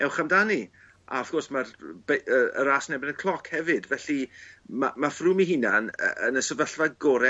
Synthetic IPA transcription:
ɛwχamdani | a̰ɔfɡ̥ɔrsmarb̥eəə̰ɾaːsnɛbɪnəkʰlˠɔkʰhɛvɨdvɛɬimamafruːmiɦɪnanə̰ənəsəvəɬvaɡɔɾɛ

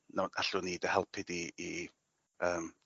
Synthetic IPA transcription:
nana̰ɬʊniːdəhɛlˠpʰɪdiː | əːm

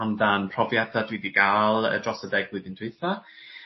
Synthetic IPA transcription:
anðanpʰrɔvjɛdadwidiɡaːlˠə̰drɔsədɛɡlɨðɪnd̥ʰwɪθa

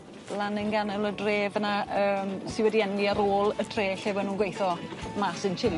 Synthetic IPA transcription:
lanənɡanɛlˠədreːvənaəːmsɪwɛdiɛnliaɾoːlˠətʰreːɬevɔnuːnɡwejθɔmasənt͡ʃʰɪl

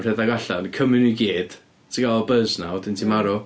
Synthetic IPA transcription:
r̥ɛðaɡaɬankʰəmɨnujɡeːd̥ | tʰəɡalˠɔbəznaodɪntʰimaɾɔ

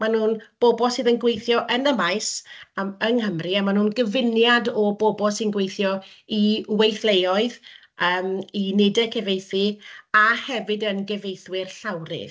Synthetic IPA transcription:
manhuːnb̥ɔbɔsɨːðənɡwejθjɔʔənəmajs | əŋɦəmriamanuːnɡəvɪnjadɔbɔbɔsinɡwejθjɔiwejθlejɔɨð | əːminɪdɛkʰɛvejθɨahɛvɨdənɡɛvejθwɪrɬawɾɪ̰ð

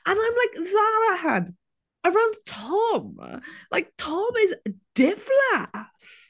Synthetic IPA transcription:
ə̃nãɪ̃mlaɪkzaɹəhã̰d | əɹãʊ̃nd̚tʰɔmlʔa̰ɪk̚tʰɔmɪzd̥ɪfləs

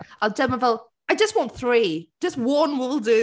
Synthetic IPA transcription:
ʔaɪlˠd͡ʒɛ̃məvɛlˠ | aɪd͡ʒʌstwɒ̃ʊ̃nθɹi̥d͡ʒ̥ʌst̚wʌ̃nwɪlˠdʉ

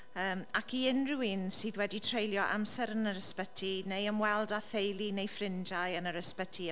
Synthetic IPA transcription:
əːmakʰiɪnrɪwinsiːðwɛditʰrejlˠjɔʔa̰msɛɾənəɾəspətʰinejəmwɛlˠdaθejlˠinejfrɪnd͡ʒajənəɾəspətʰi

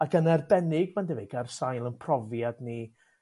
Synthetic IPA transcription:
akʰənarbɛnɪɡmandəveɡarsajlˠənpʰrɔvjadni

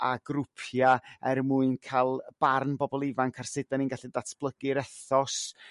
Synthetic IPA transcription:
aɡrʊpʰjaɛrmuɨnkʰalˠb̥arnbɔbɔlˠɪvankʰarsɪdaninɡaɬidatʰb̥lˠəɡɪɾɛθɔs

